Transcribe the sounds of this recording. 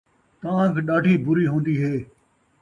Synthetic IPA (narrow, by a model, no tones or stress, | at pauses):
t̪ãːkːɗaːʈiːbʊɾiːɦõːnd̪iːɦeː